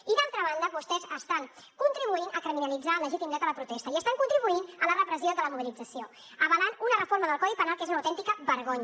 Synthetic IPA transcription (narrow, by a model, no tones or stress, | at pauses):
iðalˠt̪ɾəβand̪əβust̪ɛzəst̪aŋkunt̪ɾiβ̞uinəkɾiminəlid͡zaləʒit̪imid̪ɛt̪ələpɾut̪ɛst̪əiəst̪aŋkunt̪ɾiβuinələrəpɾəziod̪ələmuβilid͡zəsio | əβəlanunərəfoɾməðəlˠkɔðipənalˠkezunəwt̪ɛnt̪ikəβəɾɣoɲ